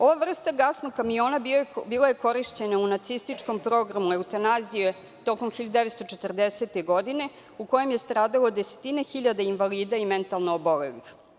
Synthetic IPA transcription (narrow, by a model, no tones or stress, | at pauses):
o̞ʋaʋr̩st̪aɡasnoɡkːamijo̞ːnabiːlaje̞ko̞ɾiʃt͡ɕe̞naunat̪sist̪it͡ʂko̞mpɾo̞ɡɾamueut̪anazije | t̪o̞ko̞mxiʎad̪d̪eʋest̪o̞t͡ʂet̪r̩d̪ese̞t̪eɡo̞d̪ine̞ | uko̞je̞mje̞st̪ɾaːd̪alod̪ese̥t̪inexiʎad̪ainʋaliːd̪aiment̪alˠnoːbo̞lḛlḭx